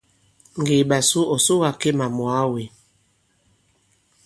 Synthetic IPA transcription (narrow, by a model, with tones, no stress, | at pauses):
ŋ˨ɡe˨ɓa˨su˦ɔ˨so˦ɣa˨ke˦ma˨mwa˨˦we˨